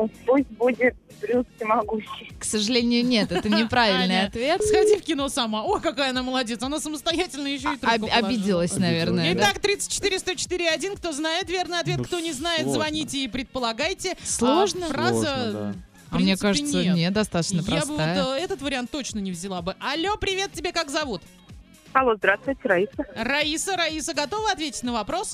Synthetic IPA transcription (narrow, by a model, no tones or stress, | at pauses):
pusʲt̚ʲbudʲɪt̪̚bɾʲuskʲɪmɐɡuɕːɪjksəʐɨlʲenʲɪjʊnʲe̞t̪ɛt̪ənʲɪpɾavʲɪlʲnɨjɐt̪vʲet̪sxɐdʲifkʲɪno̞sɐmaokɐkajəɐnaməlˠɐdʲe̞t̪sɐnasəməst̪ɐjætʲɪlʲnəjɪɕːoɪt̪ɾɐb̪ʲidʲɪlˠəsʲnɐvʲe̞rnəjɪt̪akt̪ɾʲit̪sɨ̥t̚ʲt͡ɕːɪ̥t̪iɾʲɪst̪ot͡ɕɪ̥t̪ɨiɾʲɪɐdʲinkt̪o̞znajɪt̪vʲe̞rnɨjɐt̪vʲe̞t̪kt̪o̞nʲɪznajɪt̪zvɐnʲitʲɪːpɾʲɪt̪̚pəlˠɐɡajtʲɪslˠoʐnəazəfpɾmmnʲekaʐɨɪt̪snʲəenʲet̪d̪ɐst̪at̪ə̥t͡ɕnəpɾɾabɨvajɛt̪ət̪vəɾʲɪant̪ːo̞t͡ɕnənʲɪvzʲɪlˠabɨʔɐlʲːo̞pɾʲɪvʲe̞t̪̚tʲːɪbʲekakzɐvut̪ | ɐlˠo̞zd̪ɾast̪vʊjtʲɪɾɐisərɐisəɾɐisəɡɐt̪o̞vəɐt̪vʲetʲɪ̥tʲnəvɐpɾo̞s